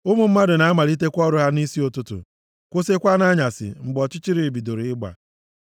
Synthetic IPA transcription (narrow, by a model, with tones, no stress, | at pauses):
ʊ˦mʊ˨m̩˦ma˦dʊ˨na˨a˦ma˨ɾi˦t̬e˦kʷɔ˦ɾʊ˦ɦa˦ni˦si˦o˨tʊ˦tʊ̰˨ | kʷʊ˦se˦kʷa˦na˦ɲa˨sɪ̰˨ŋ͡m̩˨ɡ͡bɔ˨t͡ʃɪ˦t͡ʃi˦ɾi˨bi˨do˨ɾi˨ɪ˦ɡ͡ba̰˨